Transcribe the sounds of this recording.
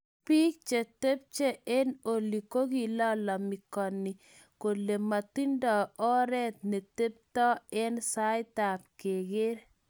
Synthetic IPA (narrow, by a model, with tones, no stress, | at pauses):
pi˦k̚t͡ʃe˨t̪e˦p̚t͡ʃe˦e˦no˨li˨ko˦ɡi˨lɔ˦lɔ˨mɪ˨kɔ˨ni˨ | ko˨le˨ma˨t̪i˦ndɔ˨ɔ˦ɾɛ˦t̪̚ne˨t̪e˦p̚tɔ˦ɛ˦nsa˦ɪ˦ta˨p̚ke˨ɡe˦ɾ